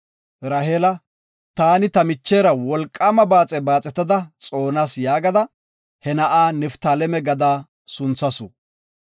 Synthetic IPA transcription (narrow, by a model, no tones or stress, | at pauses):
ɾɐɦeːlɐ | t̪aːnɪt̪ɐmɪt͡ʃːeːɾɐwɔlkʼːamɐbaːt͡sʼɛbaːt͡sʼɛt̪ːɐd̪ɐt͡sʼo̞ːnaːsjaːɡɐd̪ɐ | hɛnɐʔaːnɛft̪aːlɛmɛɡɐd̪aː | sʊnt͡sːɐsʊ